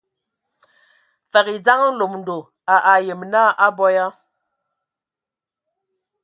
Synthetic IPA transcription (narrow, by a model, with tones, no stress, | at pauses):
fa˨ki˨d͡za˦ŋ˦lo˨mn̩˨do˨ | a˨ʔa˨je˨m˨na˦ʔa˦bɔ˦ja˦